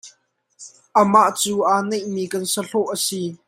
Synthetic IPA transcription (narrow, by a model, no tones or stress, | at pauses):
ʔəmaʔt͡suːʔaːnejʔmiːkɐnsəɬɔʔəsi